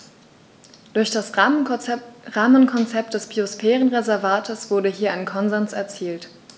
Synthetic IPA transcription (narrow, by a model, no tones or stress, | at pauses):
d̥ʊɐçd̥as | ʁaːmənkʰɔnt͡sɛpt̚d̥ɛsb̥iosfɛːʁənʁezɛɐvaːtʰəsv̥ʊɐdəɦiːɐʔaɪnkʰɔnzɛnsɛɐt͡siːlt